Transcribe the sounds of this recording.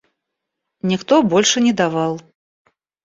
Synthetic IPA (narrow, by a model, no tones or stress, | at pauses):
nʲixt̪ɔbɔlʲʂɨnʲɛd̪avalˠ